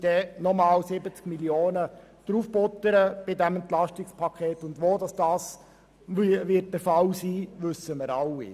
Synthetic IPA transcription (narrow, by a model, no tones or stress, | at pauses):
d̥ɛnɔmɑːlsɪbət͡skmilioːnəd̥ɾuːfb̥ɔtəɾəb̥ɪdɛmɛntlɑʃtɪkspʰɑkʰeːtʊndʋoːdɑsd̥ɑːs | ʋɪt̚d̥əɾfɑlsiːʋʏsːəməɾɑwḭ